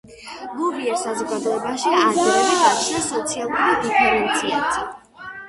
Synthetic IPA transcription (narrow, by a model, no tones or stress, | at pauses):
lɔviɛɾsazɔɡad̪ɔɛbaʃiɾɛiaasɔt̪sʰialˠuɾid̪ipʰɛɾɛnt̪sʰiat̪ʰ